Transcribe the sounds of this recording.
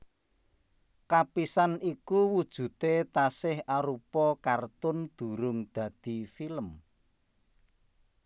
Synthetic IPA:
kapisanikuwud̥ʒ̥ṳt̪et̪asɪhaɾupɔkart̪ʊnd̪̥ṳɾʊŋd̪̥ä̤d̪̥i̤filəm

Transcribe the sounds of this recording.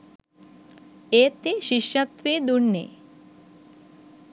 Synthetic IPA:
eːt̪eʃiʃjɐt̪ʋid̪uɳːḛ

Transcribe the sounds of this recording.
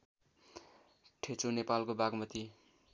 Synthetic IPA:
ʈʰet͡sonepalkobaɡmʌt̪i

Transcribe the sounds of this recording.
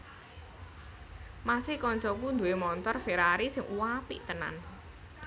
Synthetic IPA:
masɪhkɔɲt͡ʃɔkund̪uwemɔnt̪ɔrfeɾaɾisɪŋʔuwapḭʔt̪əna̰n

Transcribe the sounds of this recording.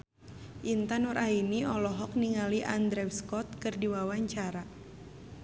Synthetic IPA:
ʔint̪anɔɾainiɔlɔɦɔk̚niŋaliʔand̪ɾɛwskɔt̪̚kɨrdiwawaɲt͡ʃaɾa

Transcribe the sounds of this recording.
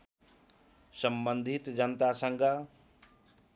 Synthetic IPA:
sɐmbə̃nd̪ʱɪt̪d͡ʑənt̪asə̃ŋɡa

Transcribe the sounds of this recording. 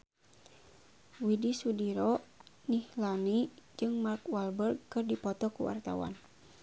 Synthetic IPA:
widisudiɾɔ | nihlanid͡ʒɨŋmarkwalbərɡ̚kɨrdipɔt̪ɔkṵwa̰rt̪a̰wa̰n

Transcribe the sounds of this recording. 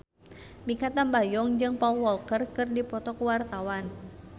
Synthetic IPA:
mikat̪anbajɔŋd͡ʒɨŋpawɔlkərkɨrdipɔt̪ɔkəwart̪awan

